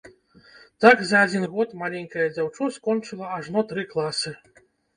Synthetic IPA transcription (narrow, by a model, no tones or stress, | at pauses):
t̪aɡzɐːd͡zʲinɣɔt̪malʲɛŋʲkɐjɐd͡zʲawt͡ʂɔskɔnt͡ʂɨlˠɐaʐnɔt̪ɾɨklˠasɨ